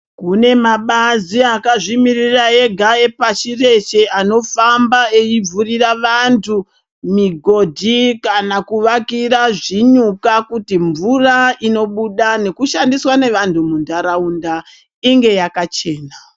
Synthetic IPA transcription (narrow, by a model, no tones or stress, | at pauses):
kune̞maɓaziakaʐimiriraeɡʱae̞pat͡ʃire̞t͡ʃeano̞fambaeib͡vuriraʋantʰu | miɡʱo̞dʱikanakuʋakiraʐiɲukakutiɱvuraino̞ɓuɗane̞kuʃandiswane̞ʋantʰumundaɾaunda | iŋɡe̞jakat͡ʃe̞ːna